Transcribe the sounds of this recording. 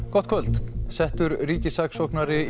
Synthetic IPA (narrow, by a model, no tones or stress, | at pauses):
kʰɔt̪kʰvœlt̪sɛht̪ʏɾriːcɪsaksɔknaɾɪ